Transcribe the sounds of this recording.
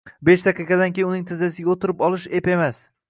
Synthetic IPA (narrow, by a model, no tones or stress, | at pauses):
beʃd̪aqɨqɑd̪ankʲejɪnʊnɪŋt̪ʰɪzd̪asɪɡʲaot̪ʰɪɾɪpɒlɪʃepemas